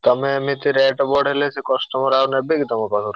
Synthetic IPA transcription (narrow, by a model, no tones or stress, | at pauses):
t̪ɔmemit̪iɾeʈbɔɖɦelesʰekɔsʈ̪ɔmoɾanebikit̪ɔmekɔt̪ʰoɾ